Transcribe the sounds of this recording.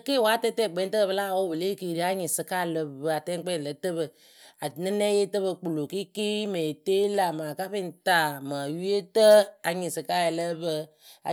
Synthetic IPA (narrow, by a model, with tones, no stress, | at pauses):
ke˦˨wa˦tɛ˦tɛ˦˨ɡ͡bɛ˨˦n˦tə˦ə˦˨bə˦la˦˨wo˦bə˨le˦˨ki˨ɾi˦a˦ɲɪ˨sɨ˧ka˦˨lə˧bə˨a˨tɛ˦k͡pɛ˦˨lə˨˦tə˦βə˨ | a˨nɨ˦nɛ˦je˦tə˦βə˧k͡pu˨lo˨ki˦ki˦me˨te˦la˨ma˨ka˦pi˦n˨ta˦˨ma˨ju˦je˦tə˦a˨ɲi˨sɨ˨ka˦jɛ˨lə˦bə˧ | a̰˨